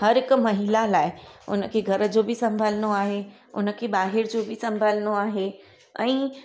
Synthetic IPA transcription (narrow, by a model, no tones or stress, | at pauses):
hɐɾɦɪkmɐɦilalaːɪʊ̰nəkʰeːɡʱɐɾəd͡ʑobʱɪsɐ̃mbʱələñoaːɦe | ʊ̰nəkʰeːɓaːɦɪɾd͡ʑoːbʱɪsɐ̃mbʱələñoaːɦe | ɛ̃ː